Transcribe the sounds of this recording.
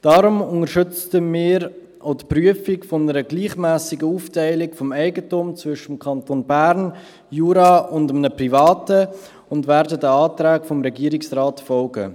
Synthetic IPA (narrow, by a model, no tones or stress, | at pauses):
d̥ɑːɾʊmʊŋəɾʃʏt͡stəmɪːɾ | ʔoʊtpryəfɪkfɔnəɾəɡliːχmæːsɪɡəuːftɛɪlɪkfɔmɛɪɡətumt͡svʏʃəmkʰɑntonbæːɾn | juːɾɑːʊndəmnəprivɑːtə | ʊndvæːɾdədəɑːtɾæːkfɔmɾɛɡiːəɾɪksraːtfɔlɡə̰